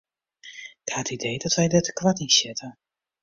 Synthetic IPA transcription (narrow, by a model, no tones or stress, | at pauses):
ɪkhatidejdɔtʋɛjdətəkʋatɪnsɪtə